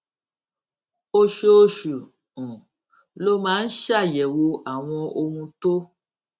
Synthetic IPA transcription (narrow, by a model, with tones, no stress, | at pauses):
o˧ʃoo˧˦ʃu˨ | ũ˨ | lo˦mã˨˦n̩˦ʃa˦˨jɛ˨wo˧a˨w̃ɔ̃˧o˧mũ˧to˦